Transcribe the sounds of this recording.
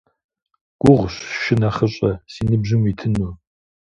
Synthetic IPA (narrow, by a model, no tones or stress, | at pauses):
ɡ̥ʷʊʁʷɕʃɪnaχɐɕʼɐsiːnɨbʑɪmiːtʰɨnu